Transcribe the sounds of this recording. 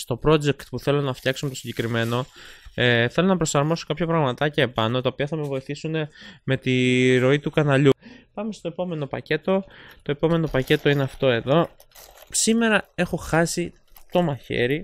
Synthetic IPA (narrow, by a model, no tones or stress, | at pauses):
st̪o̞pɾo̞d͡ʒe̞kt̪puθe̞lo̞nɐft̪çɐksomet̪osiɲɟekɾime̞no̞ | θe̞lonɐpɾo̞sɐɾmo̞sokɐpçɐpɾɐɣmɐt̪ɐcɐepɐno̞t̪ɐopiɐθɐme̞vo̞iθisune̞me̞t̪iɾo̞it̪ukɐnɐʎupɐme̞st̪o̞e̞po̞me̞no̞pɐce̞t̪o̞t̪o̞e̞po̞me̞no̞pɐce̞t̪o̞ineɐft̪o̞e̞ðo̞ | sime̞ɾɐe̞xo̞xɐsi | t̪o̞mɐçḛɾi